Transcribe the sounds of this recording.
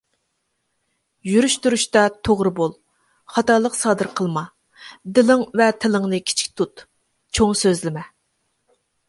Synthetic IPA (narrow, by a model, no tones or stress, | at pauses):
jyɾyʃt̪uɾyʃt̪ɑt̪ʰoʁɾɨbolˠ | χɑt̪ɑlˠəqsɑːd̪ɨɾqʰəlˠmɑ | d̪ɪlɪŋvɛt̪ʰɪlˠɨŋnɨkʲʰi̥t͡ʃʰi̥kʲt̪ʰut̪ | t͡ʃʰoŋsøzlɪmɛ